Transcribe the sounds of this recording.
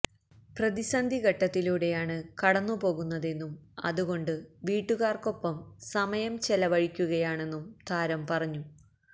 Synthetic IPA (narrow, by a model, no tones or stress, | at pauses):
prɐðisɐnd̪ʱiɣɐʈːɐt̪ːiluːɽe̞jaːɳɨkɐɽɐnːupo̞ːɣunːɐðe̞nːumɐ̰ðuɣo̞ɳɖɨʋiːʈːuɣaːrko̞pːɐmsɐmɐjɐmt͡ɕelɐʋɐɻikʲːuɣɐjaːɳe̞nːumt̪ʰaːɾɐmpɐrɐɲːu